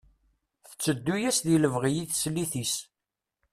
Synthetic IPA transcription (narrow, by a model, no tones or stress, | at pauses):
θə̥t͡sːəd̪ːujæsðiləvʁijiθslːiθis